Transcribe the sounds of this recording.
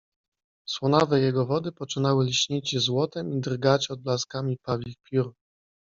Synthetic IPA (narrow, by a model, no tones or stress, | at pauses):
swɔnavɛjɛɡɔvɔd̪ɘpɔt͡ʂɘnawɘlʲɕɲit͡ɕzwɔt̪ɛmid̪ɾɡat͡ɕɔd̪̚blaskamʲipavʲixpʲjuɾ